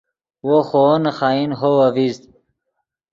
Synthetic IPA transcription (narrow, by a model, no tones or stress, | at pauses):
woxonɐxaːinɦowɐviz